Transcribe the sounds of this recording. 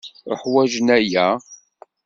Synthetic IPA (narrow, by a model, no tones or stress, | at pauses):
əħwæʒənæjæ